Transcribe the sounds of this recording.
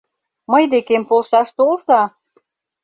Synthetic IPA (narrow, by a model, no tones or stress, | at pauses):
məjd̪ekempolʃɑʃt̪olsɑ